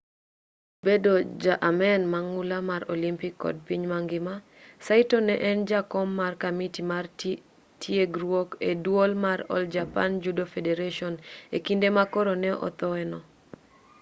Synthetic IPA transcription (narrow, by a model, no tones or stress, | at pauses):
bedod͡ʒaʔamɛnmaŋulamaɾolimpikːɔ̰d̚piɲmaŋɡɪma | saitɔnɛʔɛnd͡ʒakɔmːarkamitimar | tʰjeɡɾwokedwolmaɾɔ̰ld͡ʒapand͡ʒudofedeɾaʃɔnekindemakɔɾonɛʔɔ̰t̪ɔɛnɔ